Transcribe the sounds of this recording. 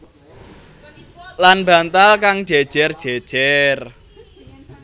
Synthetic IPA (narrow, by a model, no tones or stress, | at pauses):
lanb̥a̤nt̪alkaŋ̥ʒ̥ɛd̥ʒ̥ɛrd̥ʒ̥ed̥ʒ̥ɛr